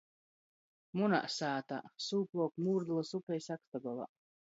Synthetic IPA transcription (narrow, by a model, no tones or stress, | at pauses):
muna̰ʔsaːt̪a̰suːplˠɔːkmuːɾd̪ulˠasupʲɛjsakt̪aɡɔlˠa̰